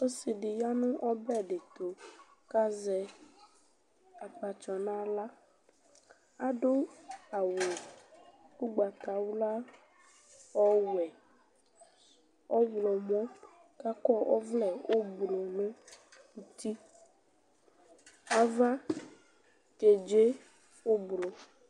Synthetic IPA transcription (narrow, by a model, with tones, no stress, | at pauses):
o˦si˨ɖe˨ja˦nũ˦ʔɔ˦bɛ˦˨ɖe˨t̪o˨ | ka˦zɛ˨ | a˨k͡pa˨t͡ʃɔ˨nã˦la˦ | a˨ɖo˦a˨wo˨ | ku˦ɡ͡ba˨t̪a˨wu˦la˦ | ɔ˦wu˨ɛ˨ | ɔ˦blɔ˨mɔ˦ | ka˦kɔ˦ʔɔ̰˦vlɛ˨wo˦blo˨nũ˦ | u˨t̪i˦ | a˨va˦ | ke˨d͡ʒe˦ | wo˦blo˨